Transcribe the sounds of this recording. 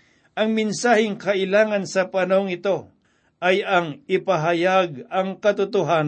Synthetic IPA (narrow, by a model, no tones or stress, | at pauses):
ʔɐŋmɪnsaːhɪŋkɐʔɪlaːŋɐnsɐpɐnoŋɪt̪o̞ | ʔɐjɐŋɪpɐɦɐjaɡ̚ɐŋkɐt̪ʊt̪ʊɦan